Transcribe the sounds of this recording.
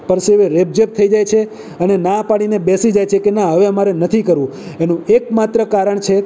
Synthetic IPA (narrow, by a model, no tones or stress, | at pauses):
pəɾseʋeɾeb̚d͡ʒep̚t̪ʰəid͡ʒajt͡ʃʰe | ənenapaɽ̃inebesid͡ʒajt͡ʃʰekenãɦəʋeəmaɾenət̪ʰikəɾʋũenũekmat̪ɾəkaɾəɳt͡ʃʰe